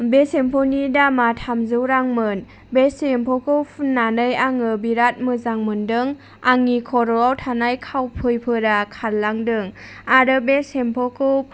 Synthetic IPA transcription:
besempʰɔnidamatʰamzɯwɾaŋmɯn | besempʰɔkʰɯwpʰnːanɯjaŋɯbiɾat̚mɯzaŋmɯndɯŋ | aŋikʰɔɾɔawtʰanajkʰawpʰɯjpʰɯɾakʰallaŋdɯŋaɾɯbesempʰɔkʰɯp̚

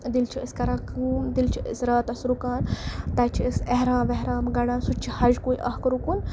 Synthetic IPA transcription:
d̪ilt͡ʃʰiəskɐɾaːkumd̪ilt͡ʃʰiə̰sɾaːt̪ɐsɾukaːnt̪ɐt͡ʃʰiəseɦɾãːʋeɦɾaːmɡɐɽaːnsut͡ʃʰihɐd͡ʒkoːiʔɐ̰hkɐɾukun

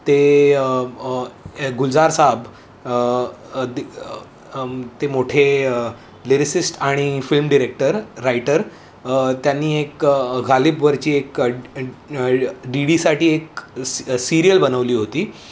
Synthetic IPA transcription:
t̪e | ɡuld͡zaɾsaɦb | t̪emoʈʰe | leɾisisʈaɽ̃ifilmɖiɾek̚ʈəɾːajʈəɾ | t̪janːiːekɡʱalipʋəɾt͡ɕiːek | ɖiɽisaʈiːek | siɾijəlbənəʋliːɦot̪iː

